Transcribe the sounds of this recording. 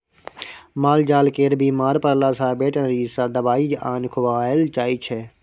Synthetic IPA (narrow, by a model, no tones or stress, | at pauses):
maːld͡ʒaːlkeːɾbiːmaːɾpəɾlaːsaːbeːʈə̃nɾiːsaːd̪əbaːiːd͡ʒaːnkʰʊʋaːelt͡ʃaːiːt͡ʃʰeː